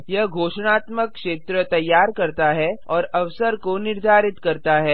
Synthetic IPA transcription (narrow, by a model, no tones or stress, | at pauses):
jɐɦɡʱoːʃɽ̃aːt̪məkːʃeːt̪ɾət̪ɐjːaːɾkɐɾt̪aɦɛɔːɾɐʋsəɾkonɪɾd̪ʱaːɾɪt̪kɐɾt̪aɦɛː